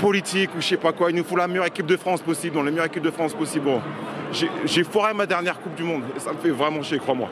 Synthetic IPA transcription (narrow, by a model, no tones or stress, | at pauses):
pɔlit̪ikuəʃɛpakwailnufɔ̃lamɛjœʁekʲip̚d̪əfχɑ̃spɔsibld̪ɑ̃lemɛjœʁekʲip̚d̪əfχɑ̃spɔsiblɔ̃ʒeʒefɔʁemad̪ɛʁnjɛʁkup̚d̪ymɔ̃d̪esaməfɛvʁɛmɑ̃ʃekχwamwa̰